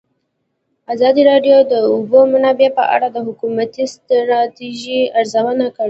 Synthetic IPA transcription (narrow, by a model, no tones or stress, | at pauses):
azɑd̪iɾɑɖjod̪əʊbomunabjɑpə̰ʔa̰ɽad̪əɦʊkumat̪ist̪ɾɑt̪iʒiaɾzawənakəɽi